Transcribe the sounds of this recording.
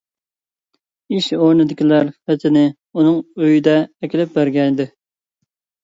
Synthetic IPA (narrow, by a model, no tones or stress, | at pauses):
iʃoɾnɨd̪ɪkʲʰilæɾfɛt̪ʰɪnɪ | unɨŋøjid̪ɛːkʲɪlɪp̚bæɾɡʲɛnd̪ɪ